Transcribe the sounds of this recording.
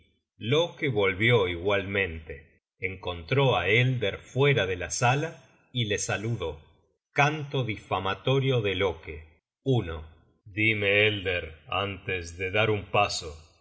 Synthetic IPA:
lokeβo̞lβjoiɣwalmẽ̞nt̪eː | ŋko̞nt̪ɾo̞aeld̪eɾfwe̞ɾaðe̞lasala | ilesaluðo̞ | kant̪oðifamat̪o̞ɾjoðeloke | uno | d̪imeeld̪eɾa̰nt̪esðeðaɾumpaso

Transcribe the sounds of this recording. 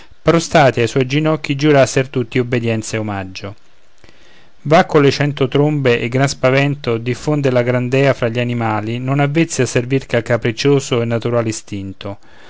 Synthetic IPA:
pɾost̪aːt̪iajswɔjd͡ʒinɔkːid͡ʒuɾasːeɾt̪ut̪ːiobːed̪jɛnt̪seomad͡ʒːo | vakːolet͡ʃɛnt̪ot̪ɾombeʔeɡːɾanspavɛnt̪od̪ifːond̪elaɡɾand̪ɛːafɾaʎːianimaːlinonavːit̪sːiasːervirkakapɾit͡ʃoːsoenːat̪uɾaːlist̪int̪o

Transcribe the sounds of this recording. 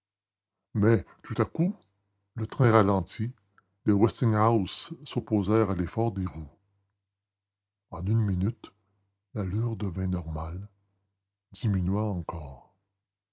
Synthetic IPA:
mɛt̪ut̪aku | lət̪ʁɛ̃ʁalɑ̃t̪ʰi | lewɛst̪ɪ̃ŋɦawsːɔpozɛʁalefɔːʁd̪eʁu | ɑ̃nynminyt̪ | lalyːʁd̪əvɛ̃nɔʁmal | d̪iminɥaɑ̃kɔːʁ

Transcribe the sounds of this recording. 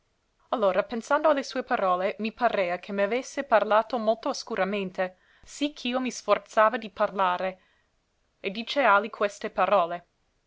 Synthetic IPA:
alːoːɾapensand̪oalːesuːepaɾɔːlemipaɾeːakʰemeavesːeparlaːt̪omolt̪oaskuɾament̪e | sikʰːiːomisfort̪saːvad̪iparlaːɾe | ed̪iːt͡ʃealikʰwest̪epaɾɔːle

